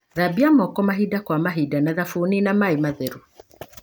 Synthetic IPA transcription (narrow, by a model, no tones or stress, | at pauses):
ðabiamɔkɔmaɦidakwamaɦidanaðafuninamaimaðeɾu